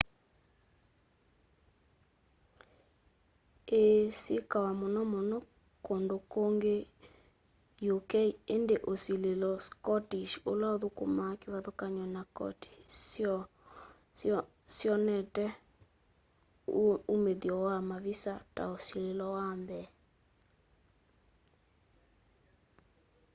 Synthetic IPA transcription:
esikawamonɔmonɔ | kondokoŋɡe | jokɛiendeʔosilelɔskɔtiʃolaoðoko̰makewaðokaɲwɔnakɔ̰ti̥s | sjɔnɛtɛ | umeðiɔwamaβisata̰osilelɔwambɛ

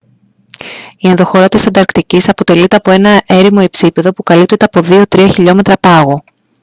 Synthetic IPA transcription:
ienðo̞xo̞ɾɐt̪isɐnd̪ɐɾkt̪icisɐpo̞t̪e̞lit̪eɐpo̞e̞nɐʔe̞ɾimo̞e̞psipe̞ðo̞pukɐlip̚t̪et̪e̞ɐpo̞ðio̞t̪ɾiɐçiʎo̞me̞t̪ɾɐpɐɣo

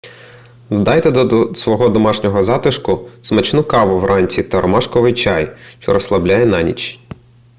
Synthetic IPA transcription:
wd̪ɑjt̪ɛd̪ɔsʋɔɦɔd̪ɔmɑʃnʲɔɦɔzɑt̪ɪʃkʊsmɐt͡ʃnʊkɑʋʊʋrʔɑnʲt͡sʲit̪ɐɾɔmɑʃkɔʋɪjt͡ʃɑjʃt͡ʃɔɾɔslˠɐblʲajɛnɑnʲḭt͡ʃ

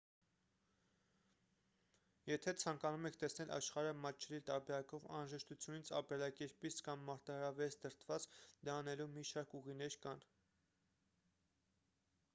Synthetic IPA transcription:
jɛt̪ʰɛt͡sʰɑŋkɑnumɛkʰt̪ɛsnɛlʔɑ̰ʃχɑɾəmɑt͡ʃʰːɛɾit̪ɑɾbɛɾɑkɔvɑ̰nɾɑʒɛʃt̪ut͡sʰjunit͡sʰɑ̰pɛlɑkɛɾpit͡skɑmːɑɾt̪ɑhɑɾɑvɛsd̪əɾt̪ʰvɑt͡sd̪ɑnɛlumiʃɑɾkuʁinɛɾkɑn

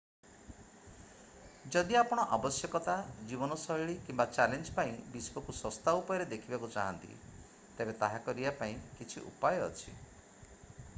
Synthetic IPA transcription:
d͡ʒɔd̪iapɔɽ̃ɔʔabɔsjɔkɔt̪ad͡ʒibɔnɔsɔiɭikimbat͡ʃalend͡ʒpaĩbiskɔkusɔst̪aupɔjɔɾed̪ekʰibakut͡ʃa̰ɦɔ̰nt̪ḭ | t̪ebet̪aɦakɔɾibapaĩkit͡ʃʰiʔṵpajɔ̰ːt͡ʃʰḭ

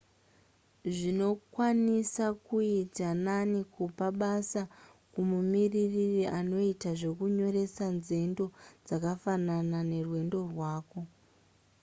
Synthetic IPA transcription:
ʐino̞kwanisakuitananikupaɓasa | kumumiriririʔano̞itaʐe̞kuɲo̞ɾe̞sanze̞ndo̞d͡zakafananane̞rwe̞ndo̞rwaːko̞

